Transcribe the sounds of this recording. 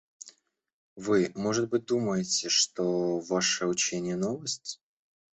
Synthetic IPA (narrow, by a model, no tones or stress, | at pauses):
vɨmo̞ʐɨt̪̚bɨt̚ʲd̪uməjɪtʲɪʂt̪ovaʂəʊt͡ɕenʲɪjənovəsʲtʲ